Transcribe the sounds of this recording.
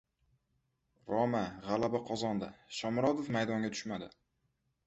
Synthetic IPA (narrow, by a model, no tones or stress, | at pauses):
ɾɒmaʁalabaqʰɒzɒnd̪aʃɒmɾɒd̪ofmajd̪ɒŋɡʲat̪ʰʊ̥ʃmad̪ɪ